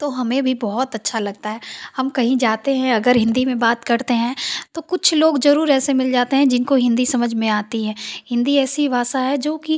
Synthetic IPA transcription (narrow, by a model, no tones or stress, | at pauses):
t̪oɦɐmẽbʱibɔɦɔt̪ɐtːʃʰalɐɡ̚t̪aɦɛːhɐmkɐɦĩd͡ʒaːt̪eɦɛ̃ɐɡəɾɦɪ̃nd̪imẽbaːt̪kɐɾt̪eɦɛ̃t̪okʊt͡ʃʰloːɡzɐɾuːɾɛːsemɪld͡ʒaːt̪eɦɛ̃d͡ʒɪnkoɦɪ̃nd̪isɐməd͡ʒʱmẽaːt̪iɦɛ̃ːhɪ̃nd̪iɛːsiʋaːsaɦɛd͡ʒoːki